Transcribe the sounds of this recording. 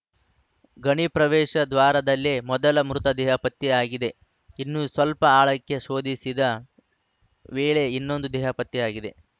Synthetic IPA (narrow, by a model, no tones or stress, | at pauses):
ɡɐɳipɾɐʋɛːʃɐd̪ʋaːɾɐd̪ɐlːemɔd̪ɐlɐmɾut̪ɐd̪ɛːɦɐpɐt̪ːiaːɡid̪e̞ | inːuːsʋɐlpɐaːɭɐkːe̞ʃo̞ːd̪isid̪ɐ | ʋeːɭe̞inːo̞nd̪ud̪ɛːɦɐpɐt̪ːiaːɡid̪e̞